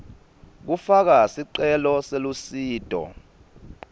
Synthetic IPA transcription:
k̬ufak̬asiǀɛlɔselusiːtʼɔ̰

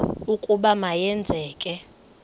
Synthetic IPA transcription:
ukʼuɓamajɛnd͡zʱɛːkʼɛ

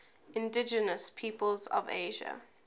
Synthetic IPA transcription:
ɪ̃ndɪd͡ʒənəspʰiːpəlzɔ̰vḛɪʒə̰

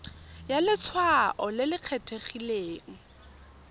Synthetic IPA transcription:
jalɪt͡sʰwaʔɔlɪlɪq͡χʰetʰeχileːŋ̩

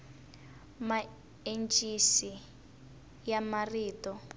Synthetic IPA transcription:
ma | ent͡ʃʼisi | jamariːtɔ

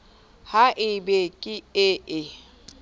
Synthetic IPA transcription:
haʔɪbekʼɪɪʔɪ

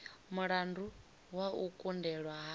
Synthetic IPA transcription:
muɺandu | waukʼundɛɺwaɦa

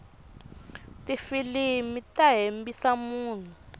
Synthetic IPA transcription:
tʼifilimitʼaɦembisamuːn̤u

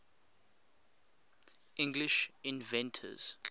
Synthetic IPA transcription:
ĩŋɡliʃĩnvɛ̃ntʰə̰z̥

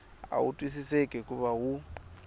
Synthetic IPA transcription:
a̰wṵtʼwisisekʼɛkʼuβaɦu

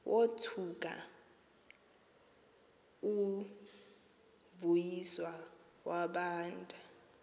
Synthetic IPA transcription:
wʔotʰuk̬ʼa̰ | u | vujiswa | waɓaːntʼu

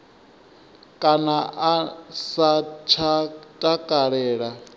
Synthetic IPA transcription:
kʼanaʔasat͡ʃʰatʼakʼaɺɛːɺa

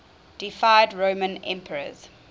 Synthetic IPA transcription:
d̥ifaɪdɹoʊmə̃nɛ̰̃mpʰəɹə̰z̥

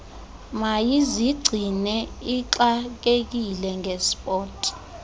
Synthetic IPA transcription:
majiziɡ͡ǀʱinɛiǁak̬ek̬ilɛŋʱɛspʼɔːtʼi̥

